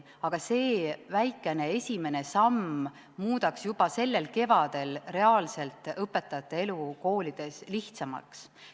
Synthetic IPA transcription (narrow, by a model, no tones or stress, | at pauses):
ɑɡ̥ɑse̞ːvæjkːˑe̞ne̞e̞sʲime̞ne̞sɑm | muːd̪̥ɑksjub̥ɑse̞lːe̞lke̞vɑd̪̥e̞lre̞ɑːlse̞lt̪ˑɤpːˑe̞t̪ːˑɑjɑt̪ːˑee̞luko̞ːlid̪̥e̞sliht̪sɑmɑ̰ks